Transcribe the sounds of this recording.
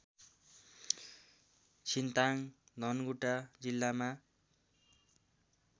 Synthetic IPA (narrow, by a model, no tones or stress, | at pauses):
t͡sʰint̪aŋd̪ʱʌnɡuʈad͡zilːama